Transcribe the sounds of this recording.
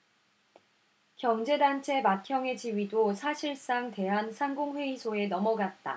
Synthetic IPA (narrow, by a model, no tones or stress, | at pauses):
kjʌŋd͡ʑe̞dant͡ɕʰe̞mat̚kʰjʌŋe̞d͡ʑiɥidosʰaɕʰiɭs͈aŋte̞ɦansʰaŋɡoŋɸwe̞isʰoe̞nʌmʌɡat̚t͈a̰